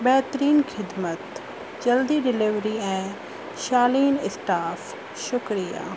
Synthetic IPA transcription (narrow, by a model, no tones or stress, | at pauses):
bɛːt̪əɾiːnxʰɪd̪mət̪ | d͡ʒɐld̪iɖɪlɪʋɾiɛ̃ː | ʃaːliːnɪsʈaːf | ʃʊkɾija̰ː